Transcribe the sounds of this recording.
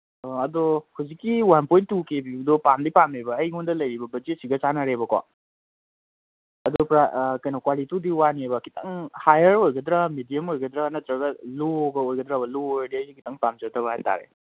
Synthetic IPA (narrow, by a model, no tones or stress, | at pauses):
ɐdɔhuzikːiwanpɔjntːukebidɔpamdipamebɐːjundɐlɐjɾibɐbɐd͡ʒisiɡɐt͡ʃanaɾebɐka̰ | ɐdɔpɾakɐjnɔkwalitudiwaniebɐkitɐŋhajɐɾojɡɐd̪ɾamidijɐmojɡɐd̪ɾanɐt̪ɾɐɡɐloɡɐojɡɐd̪ɾabɐlodiɐjikitaŋpamd͡ʒɐtʰɐβɐɦajta̰ɾḛ